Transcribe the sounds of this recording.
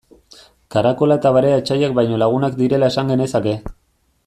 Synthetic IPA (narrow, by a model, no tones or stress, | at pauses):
kaɾako̞laet̪aβaɾeat͡ʃajakbajɲo̞laɣ̞unakd̪iɾe̞lae̞saŋɡe̞ne̞sake̞